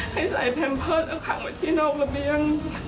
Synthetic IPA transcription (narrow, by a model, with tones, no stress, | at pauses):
ha˥˩jsa̰˨˩˦jpʰɛ˧mpʰɤː˥˩t̪ʔa˧˩kʰa̰ː˨˩˦ŋmaː˧˩t̪ʰiː˥˩nɔː˥˩k̚la˧bi˧əŋ